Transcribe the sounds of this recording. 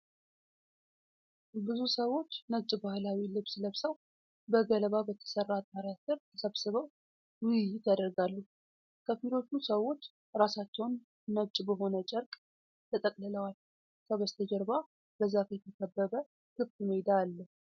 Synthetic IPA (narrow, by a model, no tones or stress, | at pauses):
bɨzusəwo̞t͡ʃːnəβt͡ʃʼbahlawilɨβsləβsəw | bəɡələβabət̪ʰə̥sərːat̪ʼmaɾjat̪ɨɾt̪ʰəsəβsɨβəw | wjɪt̪jad̪əɾɡalːəh | kʰəfilo̞t͡ʃ̪ːusəwo̞t͡ʃː | ɾasat͡ʃːɛwnː | əβt͡ʃʼbəɦo̞nət͡ʃʼəɾkʼ | t̪ʰət̪ʼəkʼlələwal | kʰəβəst̪ʰəd͡ʒəɾba | bəzafjɛt̪ʰəkʰəbːəβə | kʰɨft̪ɨnojɪd̪aːlːəh